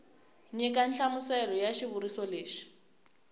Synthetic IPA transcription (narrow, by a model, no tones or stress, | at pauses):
ɲɛkʼanɬamʊsɛlɔjaʃiβuɾisɔleːʂi̥